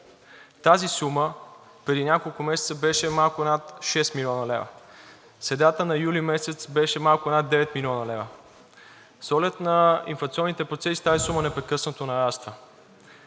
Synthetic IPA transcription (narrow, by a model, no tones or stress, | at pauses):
t̪azisumə | pɾɛd̪inʲakolˠkʊmɛsɛ̥t̪səbɛʃɛmalˠkʊɛnat̪ʃɛst̪milʲɔnəlɛvə̰ | sɾɛd̪at̪ənɐjulimɛsɛt̪sbɛʃɛmalˠkʊɛnad̪ːɛvɛt̪milʲɔnəlɛvə | sɔɡlɛt̪nɐḭnflˠɐkt̪siɔnːit̪ɛpɾot̪sɛsi̥t̪azisumənɛpɾɛkɤsnət̪onɐɾast̪və